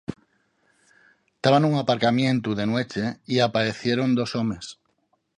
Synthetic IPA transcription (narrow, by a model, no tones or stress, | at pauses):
t̪aβanuŋapaɾkamjẽnt̪uðenwet͡ʃeiapaɾeθjeɾond̪osomes